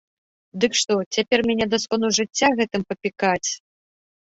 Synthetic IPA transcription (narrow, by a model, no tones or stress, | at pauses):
d̪ɨkʂt̪ɔt͡sʲapʲɛrmʲanʲɛd̪askɔnuʐɨt͡sʲːaɣɛt̪ɨmpɐpʲikat͡sʲ